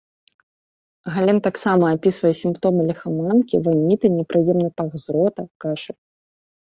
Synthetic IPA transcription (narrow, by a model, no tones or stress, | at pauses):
ɣalʲɛnt̪aksamɐːpʲisvɐjɛsʲimpt̪ɔmɨlʲɛxamankʲḭvanʲit̪ɨnʲɛpɾɨjɛmnɐpaɣzɾɔt̪ɐkaʂɨ